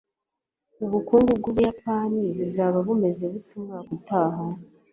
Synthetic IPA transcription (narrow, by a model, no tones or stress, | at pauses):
uβukuːŋɡubɡoβujapaːniβuzaβaβume̞zeβutumakutaːɦa